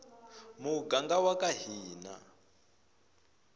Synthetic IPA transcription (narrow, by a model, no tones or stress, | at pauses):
muɡaŋɡawakaɦiːna̰